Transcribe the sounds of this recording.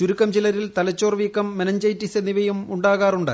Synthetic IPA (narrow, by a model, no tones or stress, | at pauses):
t͡ɕuɾukːɐmt͡ɕilɐɾilt̪ɐlɐt͡ɕːoːrʋiːkːɐmːenɐɲd͡ʑɐjtːiseniʋɐjumuɳɖaːɣaːruɳɖɨ̰